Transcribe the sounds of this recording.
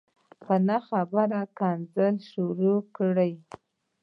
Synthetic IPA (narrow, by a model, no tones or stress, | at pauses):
pənaxabaɾakɑnzəlʃuɾokɽəj